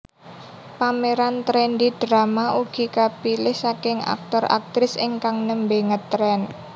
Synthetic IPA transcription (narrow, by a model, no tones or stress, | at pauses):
pameɾant̪ɾɛnd̪id̥ɾamaʔuɡ̥i̤kapilɪhsakɪŋa̰k̚t̪ɔra̰k̚t̪ɾɪsɪ̰ŋkaŋnəmbeŋət̪ːɾɛn